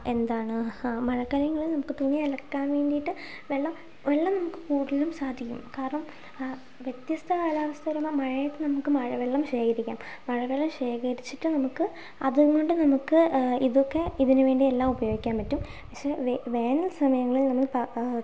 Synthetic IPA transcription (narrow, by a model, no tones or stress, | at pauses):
e̞nd̪aːɳɨmɐɻɐkːɐljɐŋːɐɭilnɐmukːɨt̪unijɐelɐkʈaːnʋeːɳɖijiʈːɨ | ʋe̞ɭːɐm | ʋe̞ɭːɐmnɐmukːɨ̥kuːɽilumsaːd̪ʱikʲːṵmkaːɾɐɳɐm | ʋjet̪jɐst̪ʰɐʋɐɭaːʋɐst̪ʰɐɾumɐmɐɻɐjɐt̪ːenɐmukːɨmɐɻʋeɭːɐmɕe̞ːkʰɐɾikʲːa̰ːmːɐɻɐʋeɭːɐmɕe̞ːkʰɐɾit͡ɕːiʈːɨnɐmukːɨ | ɐðuɡo̞ɳɖɨnɐmukːɨiðokːeiðinɨʋe̞ːɳɖie̞lːaːmubɐjo̞ːɡikʲːaːmpɐtːumpɐkʂe̞ʋʋe̞ːnɐlsɐmɐjɐŋːɐɭilnɐmːɐɭpɐ